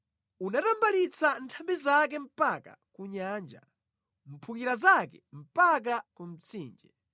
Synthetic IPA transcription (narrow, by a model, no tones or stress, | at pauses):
unatambalit͡santʰambizak̬ɛm̩paka̰kuɲaːnd͡ʒa̰ | m̩pʰukiɾazakɛm̩pak̬akum̩t͡sʰiːnd͡ʒɛ